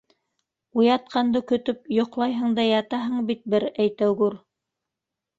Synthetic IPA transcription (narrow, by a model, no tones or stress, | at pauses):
ujɑt̪̚qʰɑnd̪ɤkɵ̆t̪ɵp̚jŏqlˠɑjɦɤɴd̪ɑjɑt̪ɑɦɤɴbit̪̚bɘɾæjt̪æwɡʉɾ